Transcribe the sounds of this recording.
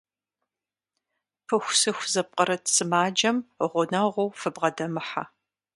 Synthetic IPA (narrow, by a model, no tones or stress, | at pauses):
pʰɨxʷsɨxʷzɐp̚qʼəɾɐtsɨmaːd͡ʒɐmʁʷʊnɐʁʷʊwfɨbʁɐdɐmɨħa̰